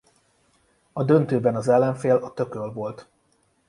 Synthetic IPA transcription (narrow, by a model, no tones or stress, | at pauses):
ɒd̪ø̞nt̪øːbɛnɒzɛlːɛɱfeːlɒt̪ø̞kølvo̞lt̪